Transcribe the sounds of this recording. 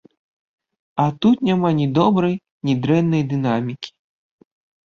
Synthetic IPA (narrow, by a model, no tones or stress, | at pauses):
ɐt̪ut̪nʲamanʲid̪ɔbɾɐj | nʲid̪ɾɛnːɐjd̪ɨnamʲikʲi̥